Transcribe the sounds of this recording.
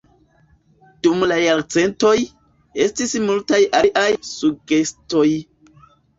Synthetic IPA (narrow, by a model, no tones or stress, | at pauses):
d̥umlajaɾt͡se̞nto̞j | e̞stismultajʔaʔajsuɡe̞sto̞j